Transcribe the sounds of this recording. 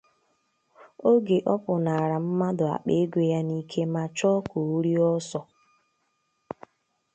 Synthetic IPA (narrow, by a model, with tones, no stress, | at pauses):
o˦ɡe˨ʔɔ˦pʊ˨na˨a˨ɾa˨m̩˦ma˦dʊ˨a̰˨k͡pe˦ɡʷe˦ja˦ni˦kʰe˦ma˦t͡ʃɔ˦ko˨u˦ɾi˦ɔ˦sɔ˦